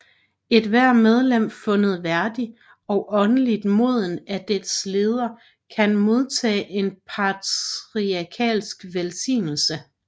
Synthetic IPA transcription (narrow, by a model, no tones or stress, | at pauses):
e̝d̥ʋæɐ̰með̞ˠlem̰fɔ̽nəð̞̩ˠʋæɐd̥i | ɒ̽ʔɒ̽nəlid̥mo̝ð̞̰ˠn̩æd̥edsle̝ːð̞ˠɐ | kʰænmo̝ð̞ˠt͡sʰɛ̰ːʔe̝npʰɑt͡sʁiækʰɛ̰ːlsɡ̥ʋelsḭːnl̩sə